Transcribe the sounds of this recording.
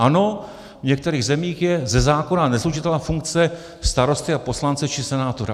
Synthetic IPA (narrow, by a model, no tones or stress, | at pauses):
ʔano̞ | vɲɛk̚t̪ɛɾiːɣzɛmiːxjɛzɛzaːko̞nanɛsluʃɪt̪ɛlafuŋk̚t͡sɛ | st̪aɾo̞st̪ɪapo̞slant͡sɛt͡ʃɪsɛnaːt̪oɾa̰